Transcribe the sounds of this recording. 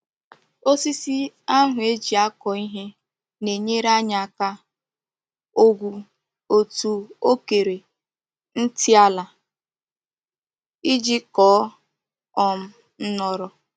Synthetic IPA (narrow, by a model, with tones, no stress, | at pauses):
o˦si˦si˦ | a˦ɦʊ˨e˦d͡ʒi˨a˦kɔ˨i˦ɦe˦ | ne˨ɲe˦ɾa˦ɲa˨ka˦ | o˦ɡʷu˨ | o˨tu˨o˦ke˨ɾe˨ | n̩˦ti˦a˦la˨ | i˦d͡ʒi˦kɔː˦ | ɔ˦m̩˦ | n̩˦nɔ˦ɾɔ˨